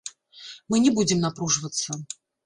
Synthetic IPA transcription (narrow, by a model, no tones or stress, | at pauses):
mɨnʲɛbud͡zʲɪmnapɾuʐɨvət̪sːə